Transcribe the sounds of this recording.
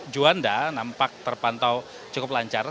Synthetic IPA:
d͡ʒuandanampak̚t̪ərpant̪aw | t͡ʃakʊp̚laɲt͡ʃaɾa

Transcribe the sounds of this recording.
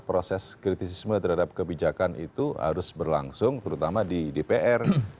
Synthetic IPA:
pɾosɛskɾit̪isismət̪əɾhadap̚kəbid͡ʒakanʔḭt̪uɦa̰ɾʊsbərlaŋsʊŋt̪əɾut̪amadidepeʔɛr

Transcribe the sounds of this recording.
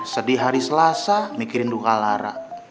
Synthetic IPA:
sədiɦaɾisəlasamikiɾɪndukalaɾa̰

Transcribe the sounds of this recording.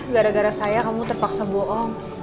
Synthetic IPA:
ɡaɾaɡaɾasajakamut̪ərpaksabɔʔɔŋ

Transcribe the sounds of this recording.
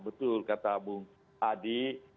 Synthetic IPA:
bət̪ʊlkat̪abuŋ | adi

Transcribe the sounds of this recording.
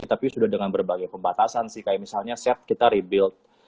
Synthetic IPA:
t̪apisudahdəŋanbərbaɡajpəmbat̪asansɪhkajamisalɲasɛt̪̚kit̪aɾibɪlt̪̚

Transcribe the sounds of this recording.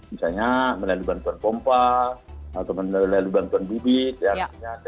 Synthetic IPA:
misaɲaməlaluibant̪uanpɔmpa | at̪aməlaluibant̪uanbibit̪̚janaɲa

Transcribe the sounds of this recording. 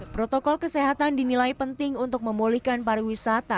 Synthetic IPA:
pɾot̪ɔkɔlkəseɦat̪andinilajpənt̪ɪŋunt̪ʊk̚məmulihkanpaɾiwisat̪a

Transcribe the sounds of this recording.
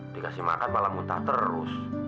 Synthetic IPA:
d̥ikasihma̰kat̪malamunt̪aht̪ərɾʊ̰s

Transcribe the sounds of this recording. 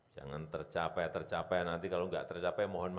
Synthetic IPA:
d͡ʒa̰ŋant̪ərt͡ʃapɛt̪ərt͡ʃapɛnant̪ikaloŋɡa̰ʔt̪ərt͡ʃapɛmɔɦɔnm

